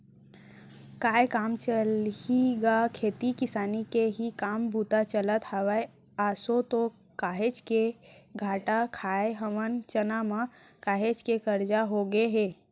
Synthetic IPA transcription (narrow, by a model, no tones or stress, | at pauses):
kaːjkaːmt͡ʃəliɡakʰeːt̪ikɪsaːnikeɦikaːmbʱuːt̪at͡ʃələt̪haʋəe | aːsot̪o | kaːɦet͡ʃkeɡʱaːʈakʰaːeɦəmənt͡ʃənamã | kaːɦet͡ʃkekəɾd͡ʒaɦoɡeɦeː